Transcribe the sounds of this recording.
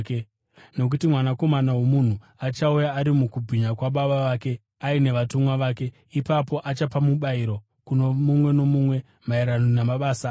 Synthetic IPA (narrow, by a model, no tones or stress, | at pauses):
k | no̞k̬utimwanako̞manawo̞mun̤u | at͡ʃaujaːɾimukubʱiɲakwaɓaɓaʋaːke̞ | aine̞ʋatumwaʋaːke̞ | ipapo̞ʔat͡ʃapamuɓaiɾo̞ | kunomumwe̞no̞mumwe̞ | maiɾanonamaɓaːsa